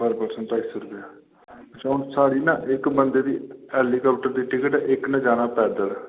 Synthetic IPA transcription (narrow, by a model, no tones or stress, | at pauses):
bəɾpəɾsəɳʈ̪aisəɾʊpɪjaː | ət͡ʃʰːʊnsaːɽiːnãːʔɪkbənd̪eːd̪ḭːɛːliːkəːpʈəɾd̪iːʈɪkɪʈɛʔɪknãːd͡ʒaːnaːpɛːd̪əlɛː